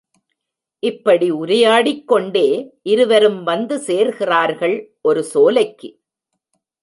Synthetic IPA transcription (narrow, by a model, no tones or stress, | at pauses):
ʔɪpːɐɽiʊɾɐjaːɽɪkːɔɳɖeːʔɪɾɯʋɐɾɯmʋɐnd̪ɯseːɾɣɪraːɾɣɐɭʔɔɾɯsoːlɐɪkːɯ